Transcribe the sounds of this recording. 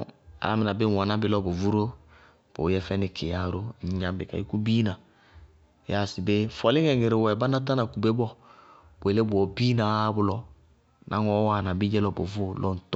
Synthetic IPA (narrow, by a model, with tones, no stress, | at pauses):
a̰˨˦m˨na˨bɪ˦˨wa˨na˦bɪ˦lɔ˦bo˨vu˦ɾo˦ | b̥o̰˨˦jɛ˦fɛ˦nɪ˨kʰɪ˨a˨ɾo˦ɲ˨ɲã˨m˦bɪ˨ka̰˨i˦ku˦bi˦nã˨ | ja˦˨sɪ˨be˦fɔ˨lɪ˦ŋɛ˨ŋe˨ɾɪ˨wɛ˨ba˦na˦ta˦na˨ku˨be˦bɔ˦ | be˨le˦bʊ˨ɔ˨bi˦na˨˦bʊ˦lɔ˦ | nʔa̰˨˦ŋɔ˨˦wa˨na˨bɪ˦d͡ʒɛ˦lɔ˦bo˨vo˦˨lʔɔ˦n̩˨t